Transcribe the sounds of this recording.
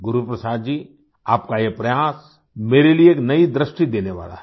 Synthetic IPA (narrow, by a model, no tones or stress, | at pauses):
ɡʊɾupɾɐsaːd̪d͡ʒiː | aːpkajepɾɐjaːs | meːɾelieːknɐid̪ɾɪʃʈid̪eːneʋa̰ːla̰ɦɛ